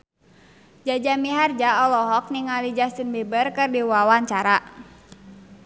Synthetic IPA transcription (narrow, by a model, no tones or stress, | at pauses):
d͡ʒad͡ʒamiɦard͡ʒaɔlɔɦɔk̚niŋalid͡ʒast̪inbebərkɨrdiwawaɲt͡ʃaɾa